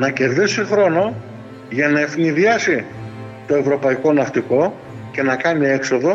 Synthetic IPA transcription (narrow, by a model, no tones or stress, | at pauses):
nɐce̞ɾðisixɾo̞no̞ | ʝɐnɐe̞fniðiɐsi | t̪o̞e̞vɾo̞pɐiko̞nɐft̪iko̞ | ce̞nɐkɐnie̞kso̞ðo̞